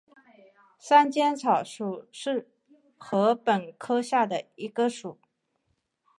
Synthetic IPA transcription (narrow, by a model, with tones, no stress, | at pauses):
sa˥nt͡ɕjɛ˥nt͡sʰɑ˨˩ʊʂu˨˩ʂɻ̩˥˩ | xɤ˧˥pə˨˩nkʰɤ˥ɕja˥˩d̪ə˩i˧˥ɡə˧ʂu˨˩˦